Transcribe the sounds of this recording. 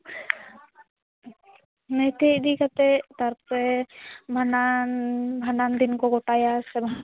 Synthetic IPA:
nɛt̪eʔd̪ikat̪ɛt̪aɾpɔtɛbʱananbʱanand̪inkɔɡɔʈajasɛba

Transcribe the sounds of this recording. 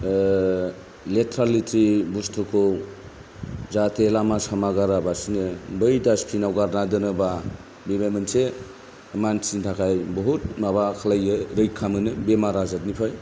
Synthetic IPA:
letʰɾalitɾibustʰɯkʰow | zatʰelamasamaɡaɾabasinɯbɯjdaspʰinawɡaɾnadɯnɯba | bebajmɯnse | mansintʰakʰajbɔɦut̚mabakʰalajɯɾɯjkʰːamɯnɯbemaɾazat̚nipʰaj

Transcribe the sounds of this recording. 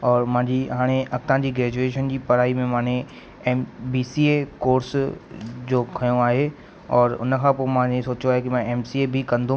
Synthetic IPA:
ɔːɾmɐ̃ɦãːɲd͡ʑiɦaːɽ̃eʔɐk̚t̪ãd͡ʑiːɡɾɛːd͡ʑueːʃənd͡ʑiːpɐɾaːimẽmãːɽ̃e | ɛːmbiːsiːekoːɾs | d͡ʑoːkʰɐjõaːɦe | ɔːɾʊ̰nə̆kʰãpoːmãesoːt͡ɕoaːɦekɪmãɛːmsiebʱɪkɐ̃nd̪ʱũ

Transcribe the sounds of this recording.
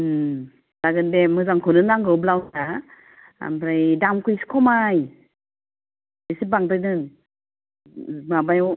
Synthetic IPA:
d̥aɡɯndemɯzaŋkʰɯnɯnaŋɡɯblawa | a̰mɾajdamkujsi̥kʰɔmaj | esibaŋtɯjnɯn | mabajw

